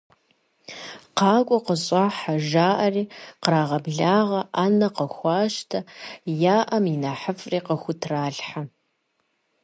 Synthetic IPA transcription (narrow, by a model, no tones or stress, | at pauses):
qɑːkʷʼɔqəɕʼaːħaʒaːʔɐriːqəɾaːʁɐbɮaːʁɐʔaːnɐqɐxʷɑːʃtʰɐjaːʔɐminaːħəfʼriːqɐxʷʊtʰraːɮħa